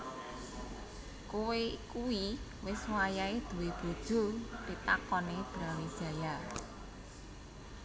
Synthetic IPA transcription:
kuwekuwi | wɪswajaed̪̥ṳweb̥o̤d̥ʒ̥o̤rit̪akɔneb̥ɾawe̥ʒ̥a̤ja

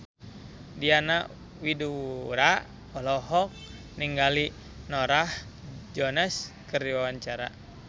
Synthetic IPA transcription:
diana | widuɾaʔ | ɔlɔɦɔk̚ | niŋɡali | nɔɾah | d͡ʒɔnɛs | kəriwawaɲt͡ʃaɾa̰

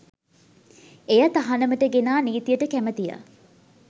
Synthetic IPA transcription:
ejɐt̪aɦanəməʈəɡenaːniːt̪ijəʈəkæmət̪ijə̰

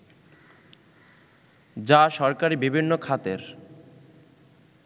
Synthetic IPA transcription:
d͡ʑaʃɔɾkaɾibibʱinːokʰat̪eɾ

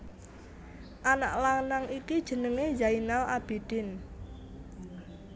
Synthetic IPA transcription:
ʔana̰ʔlaŋnaŋikid̥ʒ̥ə̤nəŋejainalʔab̥e̤d̪̥ɪn

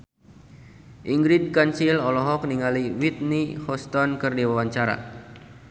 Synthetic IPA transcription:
ʔiŋɡɾid̚kansilɔlɔɦɔk̚niŋaliwit̪̚nihɔst̪ɔnkɨrdiwawaɲt͡ʃaɾa̰

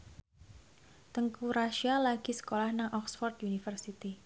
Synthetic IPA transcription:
t̪əŋkuɾaʃialaɡ̥i̤sə̥kolahnaŋʔɔksfɔrt̪unifərsit̪i

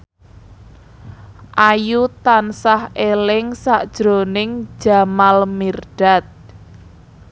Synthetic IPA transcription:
ʔajut̪ansahelɪŋsaʔd̥ʒ̥ɾo̤nɪŋ̥ʒ̥a̤malmirɖ̥a̤t̪̚

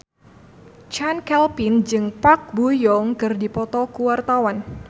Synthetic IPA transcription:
t͡ʃankɛlpɪnd͡ʒɨŋpak̚bujɔŋkɨrdipɔt̪ɔkuwart̪awan

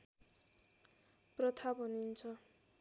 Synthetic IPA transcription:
prʌt̪ʰabɦʌnint͡sʰʌ

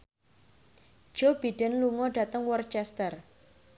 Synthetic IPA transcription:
ʒ̥ob̥iɖ̥ənluŋɔɖ̥ä̤t̪əŋwɔrt͡ʃɛst̪ər

